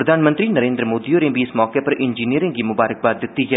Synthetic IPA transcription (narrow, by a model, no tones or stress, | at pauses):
ɾəd̪ʱaːnmə̃nt̪ɾinəɾẽːnd̪ɾəmoːd̪ioːɾẽːbʱiɪsmɔːkepəɾʔɪnd͡ʒiːniəɾẽɡimʊbaːɾək̚baːt̪ːɪt̪ːiɦɛː